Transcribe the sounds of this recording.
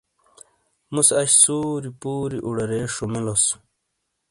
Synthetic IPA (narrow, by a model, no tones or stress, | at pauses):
musɐɕsuːɾipuːɾiʔuɽɐɾeːʂumilos